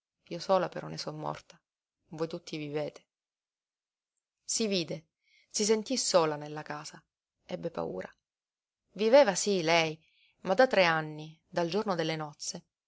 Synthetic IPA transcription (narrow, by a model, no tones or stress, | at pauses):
iːosoːlapeɾɔnːesɔmːɔ̰rt̪ḁ | voːjt̪ut̪ʰːiviveːt̪e̥ | siviːd̪e | sis̬ent̪isoːlanelːakaːza | ɛbːepa̰ṵːɾa̰ | viveːvasilɛj | mad̪at̪ːɾeanːi | d̪ald͡ʒornod̪elːenɔt̪sːe